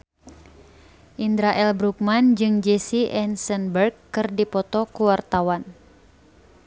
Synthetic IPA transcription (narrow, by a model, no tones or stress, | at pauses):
ʔindɾaʔɛlbɾuk̚mand͡ʒɨŋd͡ʒesiʔɛnsənbərkːɨrdipɔt̪ɔkuwart̪awan